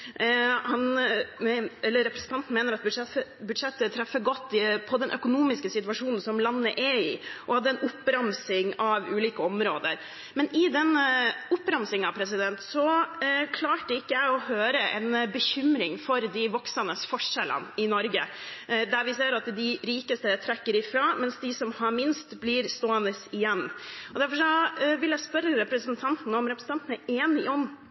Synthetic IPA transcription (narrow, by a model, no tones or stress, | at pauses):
hɑn | ɛlːəɾːɛpɾɛsn̩t̪ɑnt̪n̩meːnəɾɑt̪̚bɛbʉd̪ʂɛt̪ːət̪ʰɾɛfːəɡɔt̪ːɪpʰɔd̪ɛnʔœkʊnuːmɪskəsɪt̪ʋɑʂuːnn̩sɔmlɑnːəʔɛɪʔɔhɑd̪ːəɛnʊpːɾɑmsɪŋɑʋʉːliːkəɔmɾoːd̪əɾ | mɛnɪd̪ɛnʊpːɾɑmsɪŋɑʋpʰɾɛsɪd̪ɛnt̪sɔkʰlɑːʈəɪkːəjæɪɔhøːɾəʔɛ̰nbəçʏmɾɪŋfɔɾd̪ɪʋɔksənəsfɔʂɛlə̰nɪnɔɾɡə̰d̪æɾʋɪseːɾɑt̪d̪ɪɾiːkəst̪ət̪ʰɾɛkːəɾɪfɾɑːmɛnsd̪ɪsɔmhɑɾmɪnst̪blɪːɾst̪oːɛnəsɪjɛnːɔd̪æɾfɔʂɔʋɪljæɪspœɾəɾɛpɾəsənt̪ʰɑnt̪nəɔmɾɛpɾs̩t̪ɑnt̪n̩æɾeːnɪɔm